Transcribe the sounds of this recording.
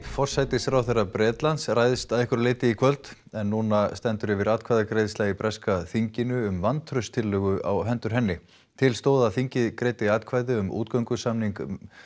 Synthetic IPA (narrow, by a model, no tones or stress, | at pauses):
fɔr̥sajt̪ɪsfɾawθejrapɾɛːt̪lant̪sraːjðɪst̪aðɪhkʏɾleːjt̪ɪikʰvœlt̪ | ɛnːuːnast̪ɛnt̪ʏɾɪvɪɾaːt̪̚kʰvajðakɾejðslaipɾʔɛskaθiɲcɪnʏʏmvant̪ʰɾʏst̪ʰɪlːœːɣʏa̰wɦɛnt̪ʏɾɦɛnːɪ | t̪ʰɪlst̪oːwðaθiɲcɪðkɾeːjt̪ɪaːt̪kʰvaːjðɪʏmṵːt̪̚kœŋkʏsamniŋkm